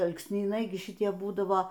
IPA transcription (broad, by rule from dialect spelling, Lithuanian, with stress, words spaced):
ɐlˠksʲnʲiːˈnɐɪ ɡʲɪ ʃʲɪˈtʲiɛ ˈbuːdɐʋoː